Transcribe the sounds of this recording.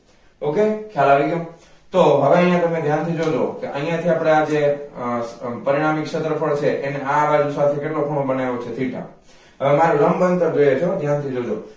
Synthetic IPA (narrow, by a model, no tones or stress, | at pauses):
okekʰjalaʋiɡo | t̪oɦəʋeə̃jãt̪əmẽd̪ʱjant̪ʰid͡ʒod͡ʒokeʔə̃ĩjãt̪ʰiapɽ̃ead͡ʒe | pəɾiɽ̃amikʃət̪ɾəpʰəɭt͡ʃʰeʔeneaʋad͡ʒusat̪ʰekeʈlokʰəɽõbəneʋot͡ʃʰet̪ʰiʈa̰ | ɦəʋemaɾũɾəmbənt̪əɾd͡ʒojet͡ʃʰod̪ʱjant̪ʰid͡ʒod͡ʒo̰